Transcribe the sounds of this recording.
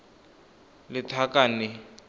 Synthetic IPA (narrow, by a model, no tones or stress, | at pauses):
lɪtʰakanɪ